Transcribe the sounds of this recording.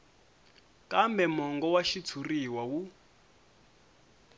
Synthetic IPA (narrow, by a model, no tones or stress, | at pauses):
kambɛmɔŋɡɔwaʃit͡sʰuriwawu